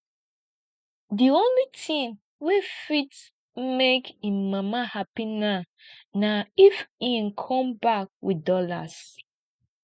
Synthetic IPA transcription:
diõnlitʰĩn | wefit | mekĩnmamahapina | naifĩnkʰɔ̃mbak̚widɔla̰s

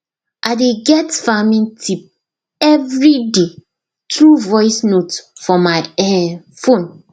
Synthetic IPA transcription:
ʔaɪdeɡɛtfamĩntʰip̚ | ɛvɹide | tɹuvɔjsnotfɔmaɪɛ | fõn

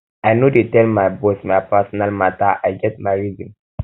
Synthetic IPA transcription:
ajnodetɛlmajbɔsmajpɛsɔnalmataajɡɛt̚majɹizĩn

